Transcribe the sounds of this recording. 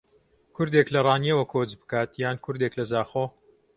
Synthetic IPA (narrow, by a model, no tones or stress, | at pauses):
kʰʊɾd̪eklɐrˤɑːniɐwɐkʰoːd͡ʒbɨ̥kaːt̪jaːnkʰʊɾd̪eklɐzaːχoː